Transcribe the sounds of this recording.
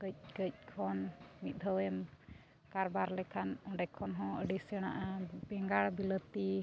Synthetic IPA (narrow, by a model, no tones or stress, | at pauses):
kəc̚kəc̚kʰɔnmit̪̚d̪ʱəwɛm | kaɾbaɾlɛkʰanɔ̃ɖɛkʰːɔnɦɔ̃əɖisɛɽ̃a̰ʔabɛŋɡaɽbilət̪i